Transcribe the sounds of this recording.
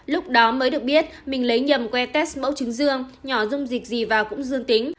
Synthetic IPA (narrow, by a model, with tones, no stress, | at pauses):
lʊ˦˥k͡p̚ɗɔ˨˦məː˨˦jɗɨ˨˩ək̚ɓi˦˥ət̚mï˨˩ŋ̟lə˨˦jɲə˨˩mkwɛ˧t̪ɛ˦˥smə̰˧˥wt͡ɕɨ˨˦ŋzɨ˧əŋɲɔ˧˩zʊ˧ŋ͡mzï˨˩k̟̚zi˨˩vaː˨˩kʊ̰˧˥ŋ͡mzɨ˧əŋt̪i˨˦ŋ̟